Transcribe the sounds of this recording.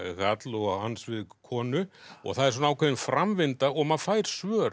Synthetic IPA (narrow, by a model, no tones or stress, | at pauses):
ɣat̪lɔɣhansvɪðkʰɔːnʏɔ̰ɣθaðɛɾ̥s̬ɔnaːwkʰɛvɪnfɾamvɪnt̪aɔɣmaðfaːjɾ̥svœːɾ